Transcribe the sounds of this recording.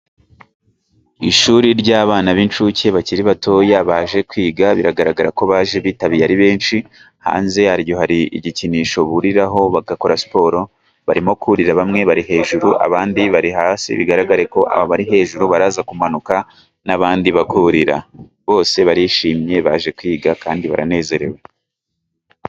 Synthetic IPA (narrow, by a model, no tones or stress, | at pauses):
iʃuːɾiɾɟaːβaːnaβint͡ʃuce̞βaciɾiβatʰo̞jaβaːʒe̞kwiːɡaβiɾaɡaɾaɡaɾako̞βaːʒe̞βitaβijaɾiβe̞ːnʃi | ha̰ːnze̞haɾjo̞haɾiḭɟiciniʃo̞βuɾiɾaɦo̞βaɡako̞ɾasi̥po̞ːɾo̞ | βaɾimo̞kuɾiɾaβamŋe̞βaɾiɦe̞ːʒuɾuʔa̰βaːndiβaɾiɦaːsḭβiɡaɾaɡaɾeko̞ʔa̰βaβaɾiɦe̞ːʒuɾuβaɾaːzakumanuka | naβaːndiβakuɾiɾa̰ | βo̞ːse̞βaɾiʃiːmɲe̞βaʒe̞kwiːɡakaːndiβa̰ɾa̰ne̞ːze̞ɾe̞̰we